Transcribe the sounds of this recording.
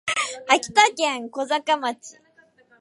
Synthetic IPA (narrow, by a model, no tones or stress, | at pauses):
akʲt̪akaŋkozakamat͡sḭ